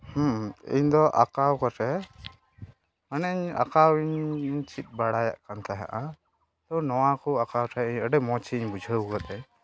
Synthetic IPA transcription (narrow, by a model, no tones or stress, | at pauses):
hũḭɲd̪ɔʔakawkɔʈʰɛ | ənəiɲa̰kawiɲɲt͡ʃʰit̪̚ˀbaɽaja̰ʔkant̪ʰaɦa̰ʔa | t̪ɔnɔwakɔakawʈʰaiɲəɖəmɔt͡ʃʰiɲbud͡ʒʱəwkɔt̪ɛ